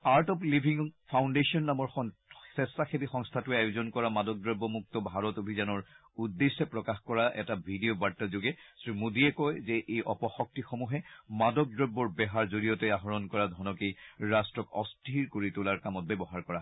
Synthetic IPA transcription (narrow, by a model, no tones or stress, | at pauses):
aɹtɔplibʱiŋpʰawndesiɔnːamɔɹxɔ | sɛstaxebixɔŋst̪ʰatuajʊzɔnkɔɹamadɔk̚dɹɔbːɔmuk̚tɔbʱaɹɔtobʱizanɔɹ | udːesɛpɹɔkaxkɔɹaʔɛ̰tabʱidiobatːɔzoɡɛsɹimudiɛkɔjzɛʔejʔɔpɔxɔk̚tixomuɦɛmadɔk̚dɹɔbːɔɹbɛɦaɹzoɹijɔtɛaɦɔɹɔnkɔɹadʱɔnɔkeɹastɹɔkɔ̰stʰiɹkoɹitʊlaɹkamɔt̚bɛbɔɦaɹkɔɹa